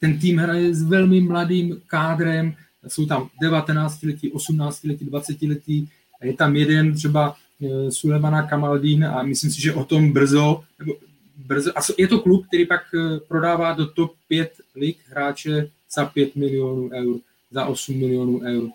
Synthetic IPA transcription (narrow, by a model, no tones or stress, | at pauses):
t̪ɛnt̪̬iːmɦɾajɛzvɛlmɪmladiːmkaːd̪ɾɛm | so̞wt̪amdɛvat̪ɛnaːt͡scɪlɛciʔo̞sumnaːt͡scilɛcidvat͡sɛcɪlɛciː | ajɛt̪amjɛdɛnt̪r̝̥ɛba | sulɛmanakamaldiːna̰mɪslimsɪʒɛʔot̪o̞mbr̩zonɛbo | br̩zoʔasjɛt̪oklup̚k̚t̪ɛɾiːpakpɾo̞daːvaːdot̪op̚ːjɛt̪lɪɡɦɾaːt͡ʃɛ | z̥apjɛt̪mɪlɪonuːʔɛwɾ | zaʔo̞sumːɪlɪonuʔɛwɾ